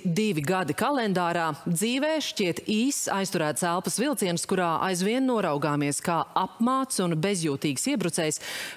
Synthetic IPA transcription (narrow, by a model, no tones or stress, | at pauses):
d̪ivʲiɡad̪ikalˠɛnd̪aːɾaːd̪ziːvɛːʃciɛt̪iːsa̰jst̪uɾæːt̪sælˠpɐsvilˠt̪siɛnskuɾaːʔa̰jzviɛnːuɔɾawɡaːmiɛskaːapmaːt̪sunbezjuːt̪iːɡsiɛbɾut̪sɛːjs